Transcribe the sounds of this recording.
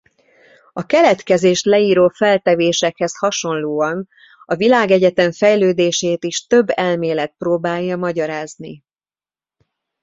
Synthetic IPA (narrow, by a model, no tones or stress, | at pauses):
ɒkɛlɛt̪kɛzeːʃt̪lɛiːɾoːfɛlt̪ɛveːʃɛkhɛshɒʃo̞nloːɒn | ɒvilaːɡɛɟɛt̪ɛɱfɛjløːd̪eːʃeːt̪iʃt̪ø̞bːɛlmeːlɛt̪̚proːbaːjːɒmɒɟɒɾaːzni